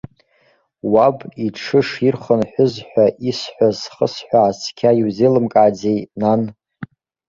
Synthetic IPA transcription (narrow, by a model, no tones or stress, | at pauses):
wabiʈ͡ʂʰɨʂirχənħʷʊzħʷᶣaʔisħʷazχəsħʷaːsʰkʲʰaiwzelɨmkʼaːd͡zejnan